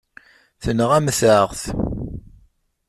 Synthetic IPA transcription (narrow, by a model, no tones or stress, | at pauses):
θənʁæmθʁθ